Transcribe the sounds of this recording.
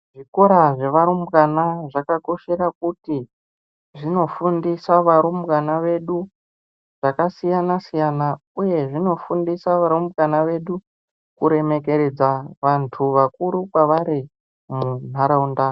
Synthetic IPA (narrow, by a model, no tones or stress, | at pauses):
ʐiko̞ɾaʐe̞ʋaɾumbɣanaʐakako̞ʃe̞rak̚uti | ʐino̞fundisaʋaɾumbɣanaʋe̞ɗu | ʐ̥akasijanasijana | uje̞ʐino̞fundisaʋaɾumbɣanaʋe̞ɗu | kuɾe̞me̞ke̞ɾe̞d͡zaʋantʰuʋakuɾukwaʋaɾi | mun̤aɾaunda